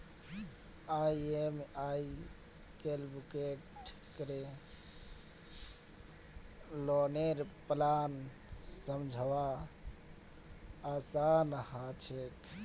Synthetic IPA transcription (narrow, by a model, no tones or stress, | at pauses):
aiemai | kelbukeʈkəɾe | loneɾplan | səmd͡ʒʱəʋa | sanhat͡ʃʰek